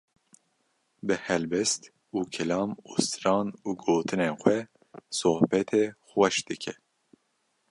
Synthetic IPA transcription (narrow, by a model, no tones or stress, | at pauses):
bɨhɛlbɛst̪ | uːkʰɛlɑːmost̪ɨɾɑːnuːɡoːt̪ʰɨneːxʷɛ | sohbɛt̪ʰeːxwɛʃd̪ɨkʰɛ